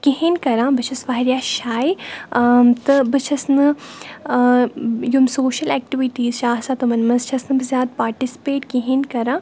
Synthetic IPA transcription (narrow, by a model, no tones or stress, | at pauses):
kiɦenkɐɾãːbɨt͡ʃʰɐsʋaːɦiɾjaːʃaːi | t̪ɨbɨt͡ʃʰɐsnɨ | jumsoːʃɐlɛːk̚ʈiʋiʈiːzt͡ʃaːsat̪ɨmɐnmɐnzt͡ʃʰɐsnɨbɨzjaːd̪̚paːɾʈisi̥peːʈkiɦenkɐɾãː